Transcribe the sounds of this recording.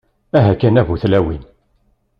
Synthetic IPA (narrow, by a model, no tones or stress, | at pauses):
æɦækːænævuθlæwin